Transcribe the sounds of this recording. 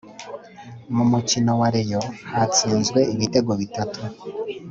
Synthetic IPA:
mumucino̞waɾejo̞hat͡siːnzɡwe̞iβite̞ɡo̞βitatʰu

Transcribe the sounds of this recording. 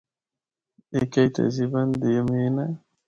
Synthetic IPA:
ekajt̪a̰ziband̪emina

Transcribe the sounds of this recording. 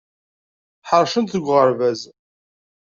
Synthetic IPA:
ħəɾˤʃənθəɡʷːʁəɾvæz

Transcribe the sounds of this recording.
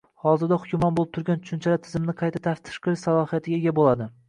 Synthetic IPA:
hɒzɪɾd̪ahʊkʲʰʊmɒnbolˠɪp̚t̪ʰʊɾɡʲant͡ʃʰʊ̥ʃʊnt͡ʃʰalat̪ʰɪzɪmnɪqʰɑjt̪ʰat̪ʰaft̪ʰɪ̥ʃqɨlɪʃsalˠɒhijat̪ʰɪɡʲaeɡʲabolˠad̪ɪ

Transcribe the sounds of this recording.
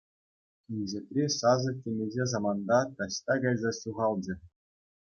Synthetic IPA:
inʲzʲet̪ʲrʲesɑzɤ̆tʲenʲeʑʲezɑmɑnd̪ɑt̪ɑɕt̪ɑɡɑjzɑɕuʁɑlˠd͡ʑɘ̆

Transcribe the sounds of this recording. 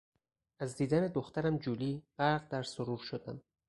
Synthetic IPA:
æzd̪iːd̪æne̞d̪oxt̪æɾæmd͡ʒuːliːɢ̥æɾɣd̪æɾsoɾuːɾʃod̪æm

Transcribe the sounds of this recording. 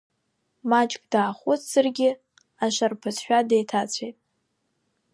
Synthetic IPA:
mat͡ʃʼkʼdaːχʷʊtʰsɨrɡʲɪ | aʃarpʰɨzʰʃᶣadejtʰat͡sʷʰejtʼ

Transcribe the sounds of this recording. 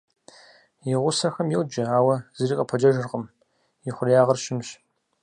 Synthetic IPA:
jɪʁʷʊsɐxɐmjɪld͡ʒɐaːwɐz̥ɨriːqʼɐpʰɐd͡ʒɐʒɨrqəm | jɪχʷʊrjaːʁɐrʃɪmɕ

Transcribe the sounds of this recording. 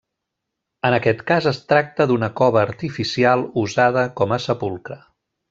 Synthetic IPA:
ənəkɛt̪kazəst̪ɾak̚t̪əðunəkɔβəːɾt̪ifisialˠuzað̞əkɔməsəpulˠkɾə

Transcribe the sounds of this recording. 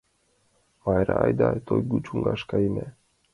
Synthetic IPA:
majɾaːjd̪at̪ʰojɡut͡ʃuŋɡaʃkaine

